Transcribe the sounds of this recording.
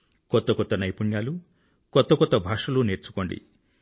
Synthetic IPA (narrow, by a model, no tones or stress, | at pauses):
kɔt̪ɔkɔt̪ɔnɐjpuɳjalu | kɔt̪ɔkɔt̪ɔbʱaʃɔluneɾt͡ʃʰu̥kɔɳɖḭ